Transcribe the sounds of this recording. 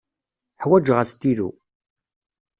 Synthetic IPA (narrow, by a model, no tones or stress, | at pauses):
ħwæd͡ʒʁəst̪iðṵ